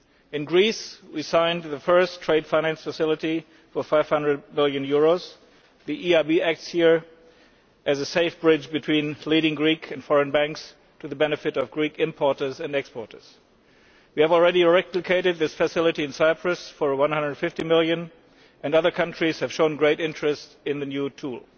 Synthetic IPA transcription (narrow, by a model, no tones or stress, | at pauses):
ɨ̃nɡɹiswisãɪ̃nðɨfɜ˞stʰɹ̥eɪd̥fãɪñæ̃nsfəsɪlˠəɾi | fə˞faɪv̥hʌ̃ndɹəd̚mɪlˠjɨ̃njʊɹoʊz | ðiʔiaɪbiæk̚tshiɹ | ʔɨzɨseɪfb̥ɹɪd͡ʒbɨtʰw̥ĩnliɾɪ̃ŋɡɹikʰɨ̃nd̥fɔɹɨ̃nbæ̃ŋks | tʰɨðɨbɛnɨfɨɾʌvɡɹikɪ̃mpʰɔɹtə˞zɨ̃nɛkspɔɹtə˞z̥ | wiɨvl̩ˠɹɛɾiɹɛplɨkʰeɪɾɨd̪̚ðɪsfɨsɪlˠɨɾiɨ̃nsaɪpʰɹɨsfə˞wʌ̃nhʌ̃ndɹə˞d̥fɪftimɪlˠjɨ̃n | ʔɨ̃nʌðə˞kʰʌ̃ntɹ̥iz̥hɨv̥ʃõʊ̃nɡɹeɪɾɪ̃nt͡ʃɹ̥ɨst | ɪ̃nðɨnjutʰulˠ